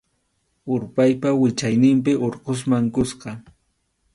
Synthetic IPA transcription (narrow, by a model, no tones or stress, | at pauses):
ʊɾpajpawɪt͡ʃajnɪmp̬ɪʔoɾqos̬maŋkʊsqɑ